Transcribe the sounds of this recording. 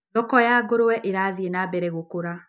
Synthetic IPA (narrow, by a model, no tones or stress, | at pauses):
ðɔkɔjaɡoɾowɛʔeɾaðienabɛɾɛɣokoɾa